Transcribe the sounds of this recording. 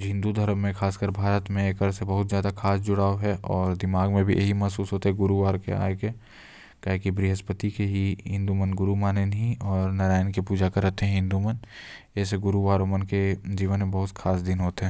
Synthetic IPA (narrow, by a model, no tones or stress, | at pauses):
ɦɪ̃nd̪ud̪ʱɐɾəmːẽkʰaːskəɾbʱaːɾət̪mẽːkɐɾsebɐɦʊt̪zjaːd̪akʰaːsd͡ʒʊɽaːoɦɛʔɔːɾd̪ɪmaːɡmẽbʱḭʔɐ̰ɦimɐɦsuːsɦoːt̪eɦɛɡʊɾuʋaːɾkea̰ːeke | kaːɦkibɾɪɦəspət̪ikeɦiɦɪ̃nd̪umənɡʊɾumaːnenɦĩɔːɾnɐɾaːɪnkipuːd͡ʒakɐɾət̪ɦɛ̃ɦɪ̃nd̪umən | ɛːseɡʊɾuʋaːɾomənked͡ʒiːʋənmẽbɐɦʊt̪kʰaːsd̪ɪnɦoːt̪eɦɛ̃ː